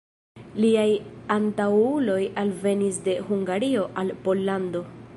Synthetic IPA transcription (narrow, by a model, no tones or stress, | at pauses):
liajantawulo̞jalve̞nisde̞huŋɡaɾio̞ʔalpo̞lːando̞